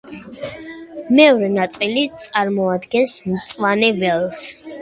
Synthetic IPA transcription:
mɛɔɾɛnat̪sʼilit̪sʼaɾmɔad̪ɡɛnsmt̪sʼwanɛvɛlˠs

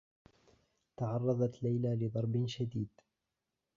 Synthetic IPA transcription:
t̪ɑʕɑrˤːɑd̪ˤɑt̪lajlaːlɪðˤɑɾˤbɪʃad̪iːd̪

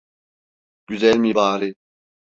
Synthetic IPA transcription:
ɟ̥yzɛlʲmibaːɾi

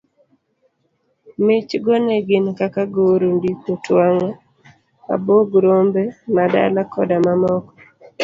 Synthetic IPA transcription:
mɪt͡ʃɡɔneɡɪnkakaɡoɾundikotwaŋɔ | a̰boɡɾombemada̰lakɔdamamɔkɔ̥

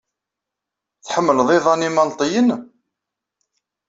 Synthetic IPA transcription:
θħəmːələðˤiðˤɑnimɑnt̪ˤijən

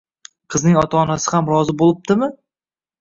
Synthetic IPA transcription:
qʰɨznɪŋɒt̪ʰaːnasɪhamɾɒzɪbolˠɪp̚d̪ɪmɪ

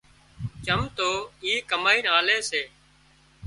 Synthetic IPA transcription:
t͡ʃəmt̪oːiːkəmaːiːnaːleːseː

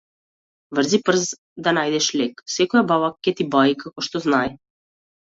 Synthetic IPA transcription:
vr̩zipr̩z | d̪anajd̪ɛʃlɛksɛkɔjabavakʲɛt̪ibaikakɔʃt̪ɔznaj

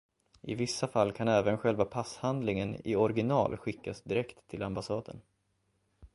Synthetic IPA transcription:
ʔɪvɪsːafalːkʰanɛːvənɧɛlvapʰashand̪lɪŋənɪ̰ɔɾɡɪnɑ̰ːlɧɪkːasd̪ɪɾɛkt̪ʰːɪlambasɑːd̪ə̰n

